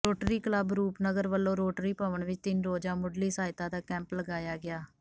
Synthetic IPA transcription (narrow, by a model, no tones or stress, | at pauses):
ɾoːʈɾiːkələbɾuːpnəɡəɾʋəlːõːɾoːʈɾiːpaːʋəɳʋɪt͡ʃt̪ɪnɾoːd͡ʒaːmʊɖliːsaːɪt̪ãːd̪aːkɛ̃ːmpləɡaːjaːɡɪaː